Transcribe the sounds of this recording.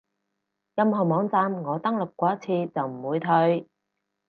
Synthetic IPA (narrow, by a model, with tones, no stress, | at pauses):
jɐ˧mɦɐ˨wmɔː˨˧ŋt͡saː˧mŋɔː˨˧t̪ɐ˥ŋlʊ˨˩p̚kʷɔː˨˥ɐ˥t͡sʰiː˧t͡sɐ˨wm̩˨˩wuː˨˧jt̪ʰɵ˧ɥ